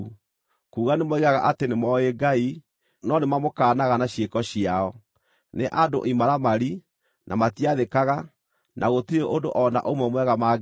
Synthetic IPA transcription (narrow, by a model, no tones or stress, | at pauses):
kuːɣanemoiɣaɣa̰ʔatenemɔeɡai | nɔnemamokaːnaɣanaɕjekɔɕiaɔ | neʔado̰ʔimaɾamaɾi | nʔamatiaðekaɣa | nʔaɣotiɾeʔondoʔɔna̰ʔomwɛmwɛɣama